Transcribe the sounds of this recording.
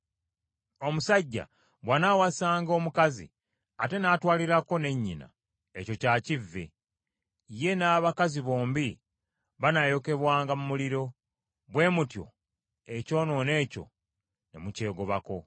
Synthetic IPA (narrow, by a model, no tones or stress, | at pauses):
o̞musaɟːa̰ | βwanawasaːŋɡo̞ːmukazḭ | ate̞naːtwaːliɾako̞ne̞ɲːina̰ | eco̞caːcivːḛ | je̞naːβakaziβo̞ːmbi | βanajo̞ke̞βwaːŋɡamumuliɾo̞ | βwe̞ːmutjo̞̰ | e̞co̞ːno̞ne̞ːco̞̰ | ne̞̰muce̞ːɡo̞βako̞